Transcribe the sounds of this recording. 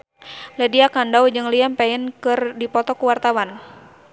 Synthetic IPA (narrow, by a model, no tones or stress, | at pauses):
lɛdiakandaud͡ʒɨŋliampɛənkɨrdipɔt̪ɔkuwart̪awan